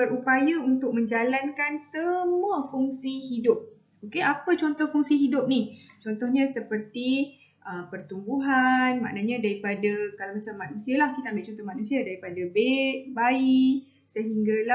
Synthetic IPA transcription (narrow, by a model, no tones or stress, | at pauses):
bəɾupajaunt̪ʊk̚mə̃ɲd͡ʒalankansəmuafuŋsiɦidʊp̚ | okeʔapət͡ʃɔnt̪ɔhfuŋsiɦidʊp̚niht͡ʃɔnt̪ɔhɲãsəpərt̪i | ʔəmpərt̪umbuɦanma̰ʔnaɲãdaɾipadakalawmat͡ʃamːaʔnũsialahkit̪aːmbɪʔt͡ʃɔnt̪ɔhmaʔnusiadaɾipadabeʔbai | səɦiŋɡala